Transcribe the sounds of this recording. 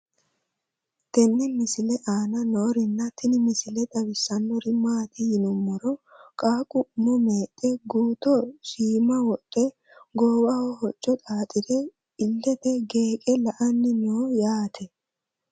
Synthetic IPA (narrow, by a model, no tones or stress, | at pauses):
t̪ɛnːɛmɪsɪlɛʔaːnɐnoːɾɪnːɐt̪ɪnɪmɪsɪlɛd̪ɐbɪsːɐnːɔɾɪmaːt̪ɪjɪnʊmːɔɾɔkʼaːkʼʊmʊmeːt̪ʼːɛɡuːt̪ɔsiːmɐwɔt̪ʼːɛ | ɡoːwawɔhɔt͡ʃʼːɔt̪ʼaːt̪ʼɪd̪ɛ | ɪlːɛt̪ɛɡeːkʼɛlɐʔɐnːɪnoːjaːt̪ʰɛ